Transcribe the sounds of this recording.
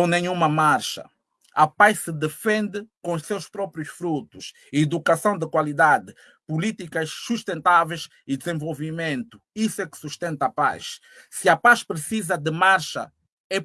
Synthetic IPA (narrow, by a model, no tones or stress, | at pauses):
nẽɲũmɐmaɾʃɐ̰ | ɐpajʃsɨd̪ɨfẽnd̪ɨkõuʃsewʃpɾɔpɾjuʃfɾut̪uʃ | id̪ukɐsɐ̃w̃d̪ɨkwalid̪ad̪ɨ | pulit̪ikɐʃsuʃt̪ẽnt̪avejz | id̪zẽvolˠvimẽnt̪u | isuɛkɨ̥suʃt̪ẽnt̪ɐapa̰ʃ | sɨɐpaʃpɾɨsizɐd̪ɨmaɾʃɐ̰ | ɛ